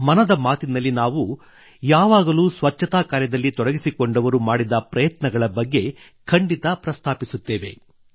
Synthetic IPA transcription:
mɐnɐd̪ɐmaːt̪inɐlːinaːʋu | jaːʋaːɡɐluːsʋɐt͡ʃːɐt̪aːkaːɾjɐd̪ɐlːit̪ɔɽɐɡisikoɳɖɐʋɐɾumaːɽid̪ɐpɾɐjɐt̪nɐɡɐɭɐbɐɡːe̞ | kʰɐɳɖit̪ɐpɾɐst̪ʰaːpisut̪ːeːʋe̞̰

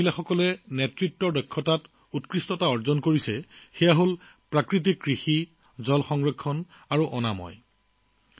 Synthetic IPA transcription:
ilaxɔkɔlɛnetɹitːɔɹdɔkʰːɔtat | utkɹistɔtaɔɹzɔnkoɹisɛxɛjaɦol | pɹakɹit̬ikːɹixi | zɔlxɔŋɹekʰːɔn | aɹuʔɔna̰mɔ̰j

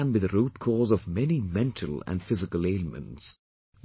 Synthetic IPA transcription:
nwɨðɨɾut̚kʰɔːɹzɔvmɛnimɛ̃ntʰəlˠə̰̃nfɪzɨkəleɪləmə̰̃nts

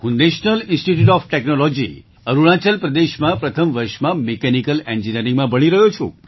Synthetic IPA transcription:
ɦũneʃnəlinsʈiʈjuʈɔfʈeknolɔd͡ʒḭ | əɾuɭ̃ãt͡ʃəlpɾəd̪eʃmãpɾət̪ʰəmʋəɾʃmãmekɛnikəlend͡ʒinəɾĩŋɡmãbəɽ̃iɾəɦot͡ʃʰṵ̃

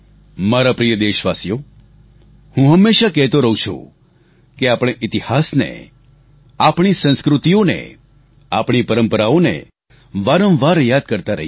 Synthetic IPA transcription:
maɾapɾijəd̪eʃʋasjo | hũɦəmːeʃakɛɦt̪oɾəɦũt͡ʃʰṵ̃ | keapɽ̃eʔit̪ihasnḛ | apɳ̃isə̃nskɾut̪ijonḛ | a̰pɳ̃ipəɾəmpəɾaonḛ | ʋaɾə̃mʋaɾjad̪̚kəɾt̪aɾəɦi

